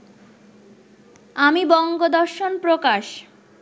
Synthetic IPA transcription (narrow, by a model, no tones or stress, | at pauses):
amibɔŋɡod̪ɔɾʃonpɾokaʃ